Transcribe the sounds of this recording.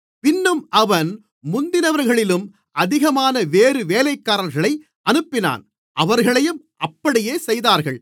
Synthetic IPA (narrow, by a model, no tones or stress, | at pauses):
pɪnːɯmʔɐʋɐn | mʊnd̪ɪnɐʋɐɾɣɐɭɪlɯm | ɐðɪɣɐmaːnɐʋeːɾɯʋeːlɐɪkːaːɾɐɾɣɐɭɐɪ | ʔɐnɯpːɪna̰ːn | ʔɐʋɐɾɣɐɭɐjɯm | ʔɐpːɐɽɪjeːsɛjðaːɾɣɐɭ